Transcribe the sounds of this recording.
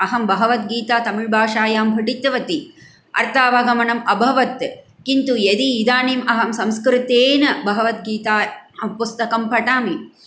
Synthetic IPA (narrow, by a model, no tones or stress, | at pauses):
ɐɦɐmbɐɦɐʋɐt̪̚ɡiːt̪aːt̪ɐmiɻbʱaːʂaːjaːmbʱɐɖit̪ːʋɐt̪i | ʔɐ̰ɾt̪ʰaːʋɐɡɐmɐnɐmɐbʱɐʋɐt̪ | kint̪ujɐd̪iːd̪aːniːmʔɐɦɐmsɐmskɾɪt̪eːnɐbɐɦɐʋɐt̪̚ɡiːt̪aːpust̪ɐkɐmpɐʈaːmi